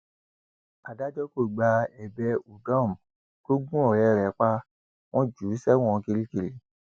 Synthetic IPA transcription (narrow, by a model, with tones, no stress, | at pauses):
a˨da˦d͡ʒɔ˦ko˦˨ɡ͡ba˧ɛ˨bɛ˧u˨ɡã˦˨m˨ | ko˦ɡũ˦ɔ˨ɾɛ˨˦ɾɛ˨˦k͡pa˦ | w̃ɔ̃˦d͡ʒu˨˦sɛ˦w̃ɔ̃˦˨˧ki˧ɾi˦ki˧ɾi˨˦